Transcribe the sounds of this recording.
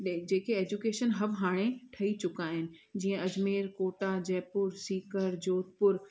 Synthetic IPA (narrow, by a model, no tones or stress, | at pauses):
d͡ʑeːkeeːd͡ʑʊkeːʃənɦɐbɦaːɽ̃eʈʰɐit͡ɕʊkaːɦɪnɪ̆d͡ʑiːə̃ɐd͡ʑmeːɾkoːʈad͡ʑɛːpʊɾsiːkəɾd͡ʑoːt̪̚pʊɾ